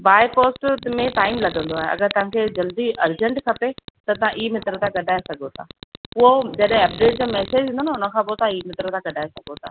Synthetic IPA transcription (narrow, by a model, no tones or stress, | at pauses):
baːepoːsʈmẽʈaːɪmlɐɡə̃nd̪oaːɦeʔɐ̰ɡəɾt̪ɐʋ̤ãkʰed͡ʑɐld̪iʔɐɾd͡ʑə̃ɳʈkʰɐpet̪ɐt̪ɐãʔiːmɪt̪ɾət̪ʰãɡɐɖʱaːesɐɡʱot̪ʰa̰ːʊɦod͡ʑɐɗɦẽɐp̚ɖeːʈ̚d͡ʑaːmɛːseːd͡ʑɦĩːnd̪onaʊnə̆kʰãːp̬ot̪ɐãiːmɪt̪ɾət̪ʰãɡɐɖʱaːesɐɡʱot̪ʰa̰ː